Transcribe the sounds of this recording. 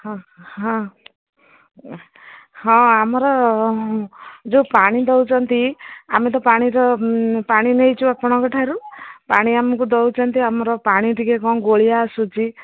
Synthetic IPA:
hɔ̃ɦɔ̃ | hɔ̃amɔɾɔ | d͡ʒepaɽ̃id̪ɔwt͡ʃʰɔnt̪iamet̪̬ɔpaɽ̃iɾɔpaɽ̃inejt͡ʃʰuapɔɽ̃ɔkɔʈʰaɾupaɽ̃iamɔkud̪ɔwt͡ʃʰɔnt̪iamɔɾɔpaɽ̃iʈikekɔ̃ɡoɭijaːsut͡ʃʰi

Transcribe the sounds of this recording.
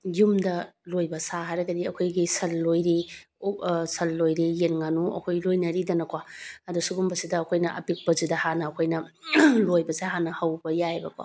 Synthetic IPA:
jumdɐlojbɐsaɦajɾɐɡɐdiɐkʰojɡisɐlːojɾi | sɐlːojɾijenŋanuɐ̰kʰojlojnɐɾidɐnɐkwaɐdusuɡumbɐsidɐːkʰojnɐʔɐ̰pik̚pɐzidɐhanɐːkʰojnɐlojbɐseɦanɐhɐwbɐjajbɐkwa̰

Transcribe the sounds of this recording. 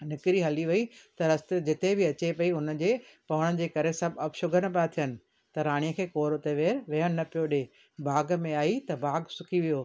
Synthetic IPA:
nɪkɾiɦɐliʋɐit̪ɐɾɐst̪ɪd͡ʑɪt̪ebʱɪɐt͡ɕepɐiʊnə̆d͡ʑeːpɐʋəɽ̃əd͡ʑeːkɐɾesɐbʱɐbʃʊɡʱəñɐpat̪ʰijənɪ̆ | t̪ɐɾaːɽ̃ijəkʰeːkoːɾʊt̪eʋeːɾʋɐɦəɽ̃nɐpijoɗe | baːɡmẽaːit̪ɐbaːɡsʊkʰiʋijoː

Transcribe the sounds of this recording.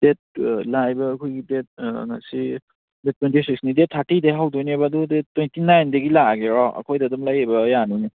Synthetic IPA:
d̥et̚lajbɐːkʰojɡidet̚ŋa̰si | det̚ːwentisʰiksnidet̚ʰːaɾtideɦawdonebadudetːojntinajndɐɡilaɡeɾɔɐ̰kʰojdadɐmlajebɐjanuni

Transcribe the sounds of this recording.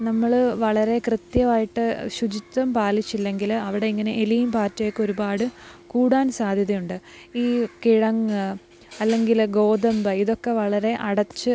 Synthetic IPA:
nɐmːɐɭʋɐɭɐɾe̞krɨt̪jɐʋaːjiʈːɨɕud͡ʑit̪ːɐmpaːlit͡ɕːilːe̞ŋɡilɐʋiɽe̞iŋːɐne̞elijumpaːtːɐjekːo̞ɾubaːɽɨkuːɽaːnsaːd̪ʱjɐðɐjuɳɖɨ | iːkiɻɐŋɨ | ɐlːe̞ŋɡilɡo̞ːd̪ɐmbɐiðo̞kːe̞ʋɐɭɐɾe̞ʔɐɽɐt͡ɕːɨ

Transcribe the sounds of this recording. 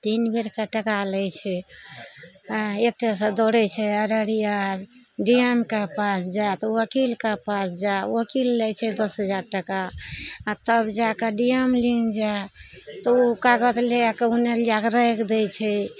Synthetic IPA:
t̪inbeɾkaʈəkalɛjt͡ʃʰɛ | et̪esə̃d̪oɽɛt͡ʃʰɛəɾəɾija | ɖiemkapasd͡ʒat̪ɔwəkilkapasd͡ʒaəkilːɛjt͡ʃʰɛd̪əsɦəd͡ʒaɾʈəkaat̪əbd͡ʒakəɖijəmlind͡ʒat̪ɔukaɡət̪leakəuneliakɾəekd̪ɛjt͡ʃʰɛ

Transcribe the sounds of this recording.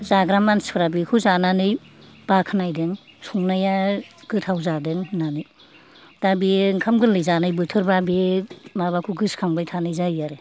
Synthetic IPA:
zaɡɾamanspʰɾabikʰuzananɯj | b̥akʰɯnajdɯŋsuŋnajaɡɯtʰawzadɯŋnanɯj | d̥abiŋkʰamɡɯlɯjzanɯjbɯtʰɯɾbabeemaβakʰuɡɯskʰaŋbajtʰanɯjzajjaɾe

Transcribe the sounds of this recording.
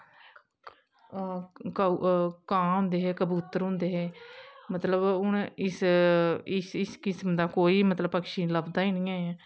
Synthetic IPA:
kəkãːɦʊ̃ːnd̪eːɦɛːkəbuːt̪əɾɦʊ̃nd̪eːɦɛːmət̪ləbʊnɪs | ɪsɪskɪsmd̪aːkoːiːmət̪ləbpəkʃiːləbd̪aːiːnĩːãːaː

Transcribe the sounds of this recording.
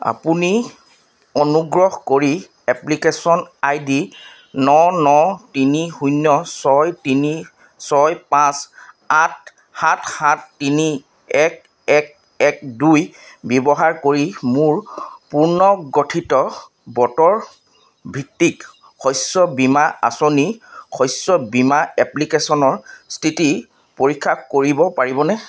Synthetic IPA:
a̰puni | onuɡɹɔɦkoɹi | ɛplikesɔnajdi | nɔnɔtinihujnːɔsɔjtini | sɔjpãs | at | hãtʰhãtːini | ɛk̚ | ɛk̚ | ɛk̚dujbɛbɔɦaɹkoɹimuɹpuɹnɔɡotʰitɔ | bɔtɔɹ | bʱitːik | xɔjsɔbimaa̰sonixɔjsɔbimaɛplikesɔnɔɹstʰiti | poɹikʰːakoɹibɔpaɹibɔnɛ

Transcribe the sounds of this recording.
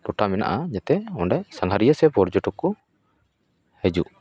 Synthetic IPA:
ʈɔʈamɛna̰ʔaɲat̪ɛɔɳɖajsaŋɦaɾijəsɛpɔɾd͡ʒɔʈɔkːɔ | hɛd͡ʒuʔ

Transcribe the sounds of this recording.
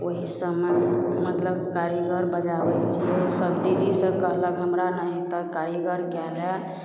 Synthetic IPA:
oɦisəbmemət̪ləbkaɾiɡəɾbəd͡ʒabɛt͡ʃʰɛsəbd̪iɾisə̃kəɦləkɦəmɾanəɦit̪ɔkaɾiɡəɾkɛlɛ

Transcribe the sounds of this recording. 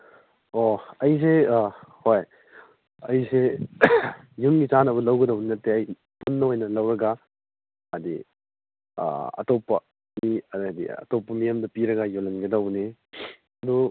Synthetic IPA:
oɐjs̬ehoj | ɐjse | junɡit͡ʃanɐβɐlɐwɡɐdɐwninɐtːeɐj | punːɐojnɐlɐwɾɐɡa | ɐdḭ | ɐ̰topːɐ | midḭɐ̰topːɐmijamdɐpiɾɐɡajolɐnɡɐdɐwni | ɐdu

